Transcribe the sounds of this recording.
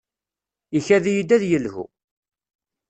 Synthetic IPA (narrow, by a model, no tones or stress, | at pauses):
içæðijid̪æðjəlhṵ